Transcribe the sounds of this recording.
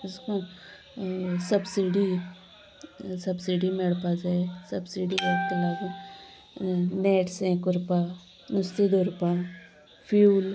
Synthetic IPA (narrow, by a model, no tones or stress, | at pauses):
ɪskõ | sɐbsiɖi | sɐbsiɖimeɽpad͡ʒaesɐbsiɖiaːkt̪olaːɡ | neːʈsẽːkʊɾpa | nʊst̪id̪oɾpa | pʰjuːl